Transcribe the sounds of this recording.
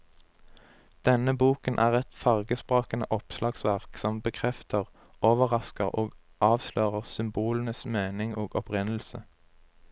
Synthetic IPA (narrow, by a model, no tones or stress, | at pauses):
d̪̥ɛnəbuːkənʔæːʁɛt̪fɑʁɡəspʁoːkənə̰ʔɔpslʔɑːɡsʋæʁksɔmbəkʰʁɛft̪ʰəʁ | ʔoːʋəʁɑskəʁoːɡ | ʔɑːʋsløːʁəʁsʏmbuːlən̩əsmeːnɪŋoːɡɔpʁɪnl̩sə